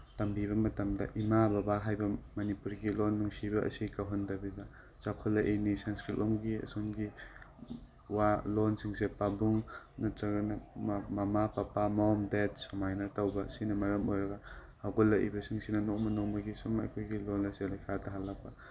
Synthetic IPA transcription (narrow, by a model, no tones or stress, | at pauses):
tɐmbiβɐmɐtɐmdɐ̰ʔimabɐbaɦajbɐmɐnipuɾɡilonːuŋsibɐɐ̰sikawɦɐndɐbibɐ | t͡ʃakʰolːɐʔinisanskɾit̚lomɡiɐ̰sonɡi | walonsiŋsepabuŋ | nɐtɾɐɡɐnɐmɐmapɐpamɔmdedsomajnɐtawbɐsinɐmɐɾɐmojɾɐɡɐhaɡolːɐʔḭbɐsiŋsinɐnok̚mɐnomɐɡisumɐ̰jkʰojɡilonɐsilɐjkʰadɐɦalːɐk̚pɐ